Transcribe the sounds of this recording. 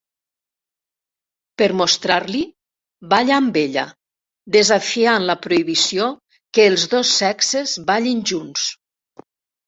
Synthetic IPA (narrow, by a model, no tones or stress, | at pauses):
pəɾmost̪ɾaɾli | baʎambeʎa̰ | d̪ezafianləpɾoiβisio | kəːlˠzðosːɛksezβaʎinʲʒuns